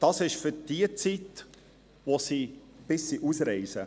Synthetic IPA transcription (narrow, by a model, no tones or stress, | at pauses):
d̥ɑsɪʃfʏɾd̥iət͡sit | ʋosib̥ɪsːiʔusɾɛɪsə